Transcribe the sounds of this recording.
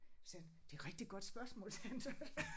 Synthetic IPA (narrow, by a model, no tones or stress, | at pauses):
send̥e̝æʁeɡ̥d̥iɡ̥ɒ̽d̥sb̥ɶɐsmɔ̰̽ːlsʰeænsæ